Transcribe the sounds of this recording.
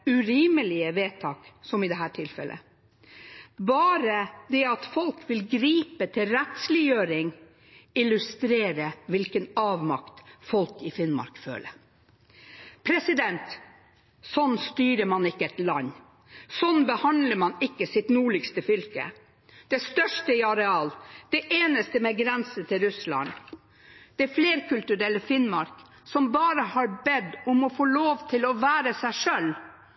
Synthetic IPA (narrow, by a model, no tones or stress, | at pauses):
ʉɾiːməlɪəʋeːt̪ʰɑːksɔmɪd̪ɛɦæːʈʰɪlfɛ̰lʔə̰ | bɑːɾəd̪ɛɑt̪fɔlkʋɪlɡɾiːpət̪ʰɪlɾɛt̪slɪjøːɾɪŋ | ɪlʉst̪ɾeːɾəʋɪlkənɑːʋmɑkt̪fɔlkɪfɪnmɑ̰ɾkfø̰ːlə̰ɾ | pʰɾɛsɪd̪ɛnt̪ | sɔnːst̪yːɾəmɑnɪkːəɛt̪lɑnː | sɔnbəhɑnd̪ləmɑnɪkːəsɪt̪nuːɭɪkst̪əfʏlkə̰ | d̪̥ɛst̪œʂʈəɪɑɾɛɑːld̪̥ɛʔeːnəst̪əmɛɡɾɛnsət̪ɪlɾʉslɑ̰n | d̪̥ɛæfleːɾkʰʉlt̪ʉɾɛləfɪnmɑ̰ɾk | sɔmbɑːɾəhɑɾbɛd̪ʊmɔfoːloːʋt̪ʰɪlɔʋæːɾəsæɪʂœl